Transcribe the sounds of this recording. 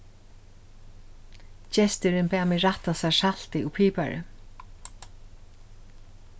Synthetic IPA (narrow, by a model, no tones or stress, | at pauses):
t͡ʃɛst̪ɪɾɪnpaːmɪɾaht̪asasal̥t̪ɪupʰiːpa̰ɾɪ̰